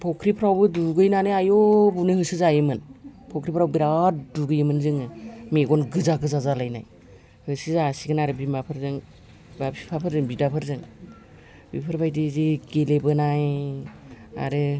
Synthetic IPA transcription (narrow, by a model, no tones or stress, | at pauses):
pʰɔkʰɾipʰɾawbɯduɡɯjnanɯajobunɯhɯsɯzajɯmɯnpʰɔkʰɾipʰɾawbiɾaduɡɯjɯmɯnzɯŋɯmeɡɔnɡɯzaɡɯzazalajna̰j | hɯsɯzasiɡɯnaɾɯbimapʰɯɾzɯŋ | bapʰipʰapʰɯɾzɯŋbidapʰɯɾzɯŋ | bipʰɯɾbajdizeɡelebɯnaj | a̰ɾɯ